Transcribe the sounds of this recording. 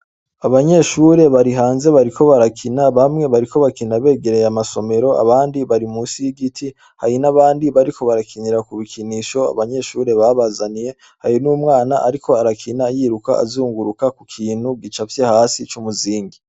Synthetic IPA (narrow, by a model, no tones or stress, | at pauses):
aβaɲe̞ʃuːɾe̞βaɾiɦaːnze̞βaɾikʰo̞βaɾakʰinaβamŋe̞βaɾiko̞βakinaβe̞ːɡe̞ɾe̞jamaso̞me̞ɾo̞ʔa̰βaːndiβaɾimuːsijiɡitʰi | ha̰jinaβaːndiβaɾikʰo̞βaɾakʰiniɾakuβikʰiniʃo̞a̰βaɲe̞ʃuːɾe̞βaβazanije̞ | hajinuːmŋaːnaʔaɾikʰo̞aɾakʰinajiːɾukaʔa̰zuːŋɡuɾukakukʰiːn̥huɡit͡ʃavjehasit͡ʃumuziːŋɡi